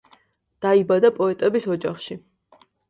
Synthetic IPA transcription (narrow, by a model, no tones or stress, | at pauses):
d̪̥aibad̪apʼɔɛt̪ʼɛbisɔd͡ʒaχʃi